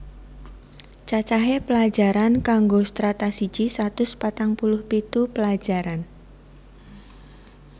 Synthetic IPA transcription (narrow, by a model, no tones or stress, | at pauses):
t͡ʃat͡ʃaɦepəlḁd͡ʒaɾankaŋɡost̪ɾat̪asi̥d͡ʒ̥isat̪ʊspat̪aŋpulʊhpit̪upəlad͡ʒaɾan